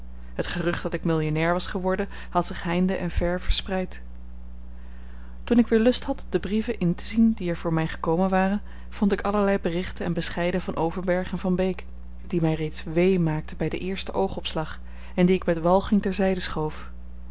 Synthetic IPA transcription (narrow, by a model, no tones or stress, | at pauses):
ɦətχərɵχd̥ɑtɪkmɪlˠjonɛːɹʋɑsχəʋɔɹdən | hɑtsɪχɦɛjndəʔɛnvɛɹv̥əɹsprɛjt | tunɪkʋɪːɹlɵstɦɑtd̥əbrivənʔɪntə̥zindiɛɹv̥ʊːɹmɛjχə̥kowmənʋaːrən | v̥ɔntɪkɑləɹlɛjbərɪχtənɛnbəsχɛjdəvɑnʔowvəɹbɛɹχənvɑnbejk | d̥imɛjrejtsʋejmaːk̚təbɛjdəʔɪːɹstəʔowχɔpslɑχ | ɛndiɪkmɛtʋɑlˠχɪŋtɛɹzɛjdəsχowf